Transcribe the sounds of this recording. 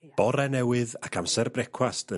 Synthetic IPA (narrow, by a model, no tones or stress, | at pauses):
b̥ɔɾɛnɛwɨðakʰamsɛrbrɛkʰwastə